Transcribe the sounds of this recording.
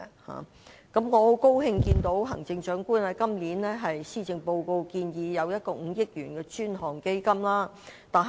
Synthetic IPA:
ha̰ː˨ | kɐ˨˥mŋɔː˨˧ho˨˥wko˥wɦɪ˧ŋkiː˧nt̪o˨˥wɦɐ˨˩ŋt͡sɪ˧ŋt͡ʃœː˨˥ŋkuː˥nlɛː˧˥kɐ˥mliː˨˥nlɛː˥ɦɐ˨jsiː˥˩t͡sɪ˧ŋpo˧wko˧wkiː˧njiː˨˧jɐ˨˧wjɐ˥t̚kɔː˧ŋ̩ː˨˧jɪ˥k̚jyː˨˩nkɛː˧t͡ʃyː˥nɦɔː˨˩ŋke˥jkɐ˥mlaː˥ | t̪aː˨n

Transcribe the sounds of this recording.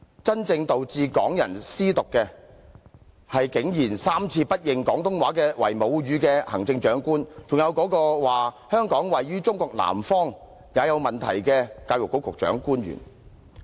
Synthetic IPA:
t͡sɐ˥nt͡sɪ˧ŋt̪o˨wt͡siː˧kɔː˨˥ŋjɐ˨˩nsiː˥t̪ʊ˨kːɛː˧ | hɐ˨jkɪ˨˧˥ŋjiː˨˩nsaː˥mt͡sʰiː˧pɐ˥t̚jɪ˨ŋkɔː˨˥ŋt̪ʊ˥ŋwaː˨˥kɛː˧wɐ̰˨˩jmo˨˧wɥyː˨˧kɛː˧hɐ̰˨˩ŋt͡sɪ˧ŋt͡ʃœː˨˥ŋkuː˥nt͡sʊ˨ŋjɐ˨˧wkɔː˨˥kɔː˧waː˨˩ | hœː˥ŋkɔː˨˥ŋwɐ˨jɥyː˥t͡sʊ˥ŋkʷɔː˧k̚la̰ː˨˩mfɔː˥ŋ | jaː˨˧jɐ˨˧wmɐ˨˩nt̪ʰɐ̰˨˩jkɛ˧kaː˧wjʊ˨kːo˨˥wkʰʊ˨k̚t͡ʃœ̰ː˨˥ŋkuː˥nɥy̰ː˨˩n

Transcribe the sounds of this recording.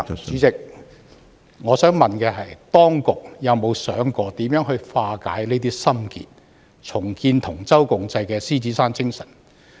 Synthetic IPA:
t͡ʃyː˨˥t͡sɪ˨k̚ | ŋɔː˨˧sœː˨˥ŋmɐ˨nkɛː˧ɦɐ˨jt̪ɔː˥ŋkʊ˨k̚jɐ˨˧wmo˨˧wsœː˨˥ŋkɔː˧t̪iː˨˥mjœː˨˥ŋɦɵ˧ɥfaː˧ka̰ː˨˥jne˥t̪iː˥sɐ˥mkḭː˨t̚ | t͡ʃʰʊ˨˩ŋkiː˧nt̪ʰʊ˨˩ŋt͡sɐ˥wkʊ˧ŋt͡sɐ˧jkɛː˧siː˥t͡siː˨˥saː˥nt͡sɪ˥ŋsɐ˨˩n

